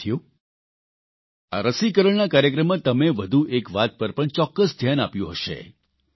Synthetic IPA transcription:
ju | a̰ɾəsikəɾəɳnakaɾjək̬ɾəmːãt̪əmeʋəd̪ʱuʔekʋat̪̚pəɾpəɳt͡ʃɔkːəsd̪ʱjanapjũɦəʃḛ

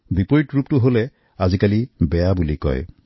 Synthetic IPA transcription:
bipoɹitɹup̚tʊɦolɛ | azikalibɛjabulikɔ̰j

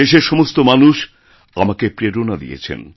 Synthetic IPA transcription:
eʃeɾʃɔmost̪omanuʃ | a̰makepɾeɾonad̪ḭjḛt͡ɕʰḛn

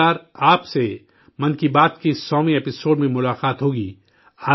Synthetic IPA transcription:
aːɾaːpse | mɐnkibaːt̪kisɔːmĩeːpɪsoːɖmẽmʊlaːqaːt̪ɦoːɡiː | aː

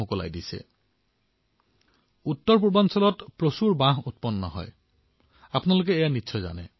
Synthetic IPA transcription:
ʊkɔla̰jdisɛ̰ | utːɔɹp̬uɹbɔnsɔlɔtpɹosuɹbãɦutpɔnːɔ̰ɦɔ̰j | apnalok̬ɛːjanitsʰɔjza̰nɛ

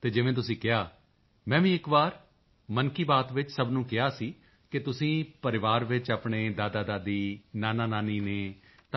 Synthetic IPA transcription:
t̪eːd͡ʒɪʋẽːt̪ʊsĩːkɪɦaː | mɛ̃ːʋĩːɪkbaːɾ | mənkiːbaːt̪ʋɪt͡ʃsəbnũːkɪɦaːsiː | kɪt̪ʊsĩːpəɾɪʋaːɾʋɪt͡ʃaːpɳeːd̪aːd̪aːd̪aːd̪iːnaːnãːnaːniːneː | t̪

